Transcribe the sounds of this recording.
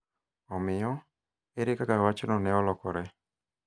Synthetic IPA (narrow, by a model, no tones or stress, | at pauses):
ɔmɪjɔ | eɾekakawat͡ʃɔnɔnɛɔlɔkɔɾɛ